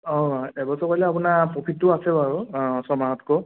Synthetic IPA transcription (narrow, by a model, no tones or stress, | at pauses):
ɔ̃ebɔsɔpajlɛapunapɔpʰitːʊasɛaɹusɔmaɦɔtʰkɔ